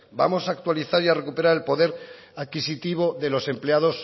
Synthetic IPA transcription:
ba̰mo̞saːk̚t̪waliθaɾiare̞kupe̞ɾaɾe̞lpo̞ðe̞ɾ | aðkisit̪iβ̞o̞ðe̞lo̞se̞mpleaðo̞s

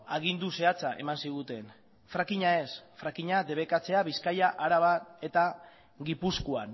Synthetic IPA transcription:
aɣ̞ind̪use̞at͡saʔe̞̰mansiɣ̞ut̪e̞n | fɾakiɲae̞sfɾakiɲad̪e̞β̞e̞kat͡se̞aβiskajaʔaɾaβane̞t̪a | ɣipuskuan

